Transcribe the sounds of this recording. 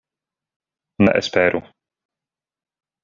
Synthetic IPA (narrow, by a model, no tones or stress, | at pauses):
nɛ̰ʔɛ̰spɛːɾʔu